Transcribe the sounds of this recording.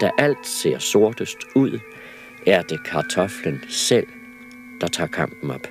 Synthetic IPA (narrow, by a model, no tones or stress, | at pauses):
d̥æʔæl̰d̥se̝̰ɐ̰so̝ɐ̰d̥əsd̥uð̞̰ˠ | æɐd̥e̝kʰɑ̈t͡sʰɒ̽flənsel̰ | d̥ɑ̈t͡sʰɑ̰̈ːkʰɑ̈m̰b̥n̩ɒ̽b̥